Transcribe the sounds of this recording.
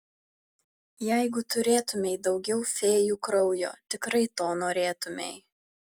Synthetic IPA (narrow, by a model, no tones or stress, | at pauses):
jæɪɡʊt̪ʊɾʲeːt̪ʊmʲɛɪd̪ɒʊɡʲɛʊfʲeːjuːkɾɒʊjo̰ːt̪ʲɪkɾɐɪt̪oːnoːɾʲeːt̪ʊmʲḛɪ